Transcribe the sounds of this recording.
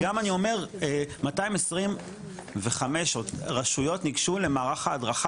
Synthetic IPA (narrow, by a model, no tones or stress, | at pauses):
amanio̞me̞ʁemataimesʁim | ve̞χame̞ʃotʁaʃujo̞tniɡʃule̞maːʁaχaːdʁaχa